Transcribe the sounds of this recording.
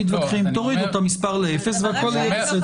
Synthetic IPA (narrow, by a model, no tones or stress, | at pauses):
it̪vakχimt̪oʁid̪ot̪omispaʁleefesveakolese